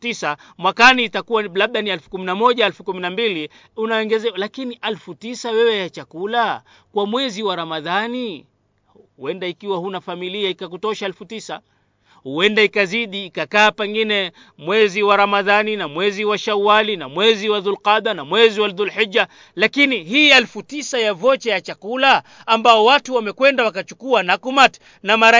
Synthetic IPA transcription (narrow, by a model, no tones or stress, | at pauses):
tisa | mwakaniːtakuwalaɓ̚ɗanialfu̥kuminamɔʄaɛlfukuminambili | unaɛŋɡɛzɛɔlakiniʔalfutisawɛwɛjat͡ʃakula | kwamwɛziwaɾamaðani | uwɛndaikiwahunafamiliaikakutɔʃaɛlfutisa | huɛndaikaziɗiːkakaːpɛŋɡinɛ | mwɛziwaɾamaðaninamwɛziwaʃawalinamwɛziwaðulqaðanamwɛziwaðulħid͡ʒːa | lakiniɦiːɛlfutisajavɔt͡ʃɛjat͡ʃakulaː | mbaɔwatuwamɛkwɛndawakat͡ʃukuanakumat | namaɾa